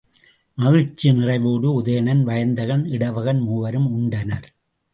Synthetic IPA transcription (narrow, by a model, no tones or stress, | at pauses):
mɐɣɪɾt͡ʃːinɪrɐɪʋoːɽɯʊðɐjɐɳɐnʋɐjɐnd̪ɐɣɐnɪɽɐʋɐɣɐnmuːʋɐɾɯmʊɳɖɐnɐɾ